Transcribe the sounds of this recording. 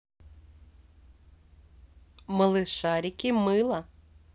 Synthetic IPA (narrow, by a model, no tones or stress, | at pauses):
mɐlˠɨʂaɾʲikʲimɨlˠɐ